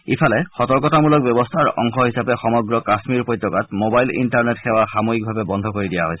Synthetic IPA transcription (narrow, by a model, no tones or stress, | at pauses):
ipʰalɛxɔtɔɹkɔtamulɔk̚bjɔbɔst̪ʰaɹɔ̰ŋxɔɦisapɛxɔmɔɡɹɔkasmiɹpɔjt̪ːɔkat̚mobajlḭntaɹnetxɛwaxamoik̚bʱabɛbɔnd̪ʱɔkoɹidijaɦojsɛ̥